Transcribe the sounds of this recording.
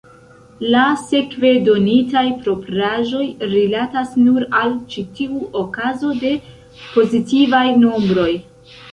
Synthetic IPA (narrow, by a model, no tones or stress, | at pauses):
lase̞kve̞do̞nitajpɾo̞pɾaʒo̞jɾilatasnuɾalt͡ʃitiuʔokazo̞de̞ | po̞zitivajnombɾo̞j